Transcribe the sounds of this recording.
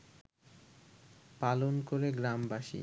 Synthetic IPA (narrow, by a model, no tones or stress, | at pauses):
palonkoɾeɡɾambaʃḭ